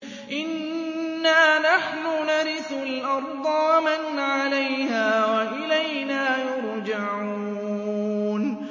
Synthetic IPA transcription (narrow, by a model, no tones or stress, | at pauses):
ʔɪnː | aːnaħnʊnaɾɪθʊlʔɑɾˤd̪ˤɑwamanʕalajhaːwaʔɪlajnaːjʊɾd͡ʒaʕuː | n